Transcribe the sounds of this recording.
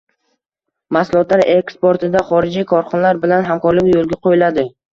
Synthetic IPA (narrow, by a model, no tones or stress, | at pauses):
masʊlˠɒt̪laɾekspoɾt̪ʰɪd̪aχɒɾɪd͡ʒikʰɒɾχɒnlaɾbɪlanɦamkʰɒɾlɪkʲjolˠɡʲaqʰojɪlad̪ɪ